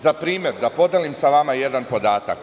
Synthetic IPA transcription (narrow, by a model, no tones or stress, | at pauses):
zapɾiːmʲje̞ɾd̪apo̞d̪elimsaʋamaje̞d̪anpo̞d̪aːt̪a̰k